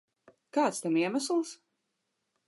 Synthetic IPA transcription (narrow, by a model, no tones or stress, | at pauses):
kaːt̪st̪ɛmiɛmæslˠs